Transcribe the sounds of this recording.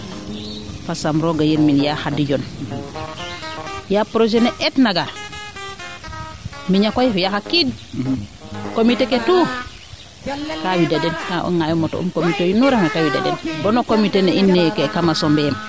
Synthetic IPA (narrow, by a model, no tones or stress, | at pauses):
fasamɾoɡajiɾminjaxadiɟɔn | japɾod͡ʒenɛʔɛtnaɡaɾ | miɲakojfjaxakid | komiteketu | kawidadɛnkaʔɔ̰ŋajɔmɔto̰ṵmkomitejunuɾemakawida̰dɛ̰nbɔnokomiteneʔinːɛkekamasɔmbɛm